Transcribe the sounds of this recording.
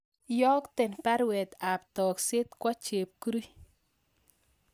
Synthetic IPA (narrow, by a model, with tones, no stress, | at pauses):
jɔ˦kt̪ɪ˨npa˦ɾwɛ˨t̪a˨pt̪ɔ˨ksɪ˦t̪kwɔ˦t͡ʃe˨p̚ku˦ɾi˦